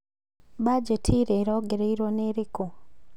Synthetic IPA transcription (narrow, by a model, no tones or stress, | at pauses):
bad͡ʒetʰiɾeɾoːɡeɾeiɾwoneɾiko